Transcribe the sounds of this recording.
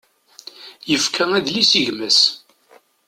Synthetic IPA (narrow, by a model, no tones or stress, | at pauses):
jəfkʰææðlisiʝməs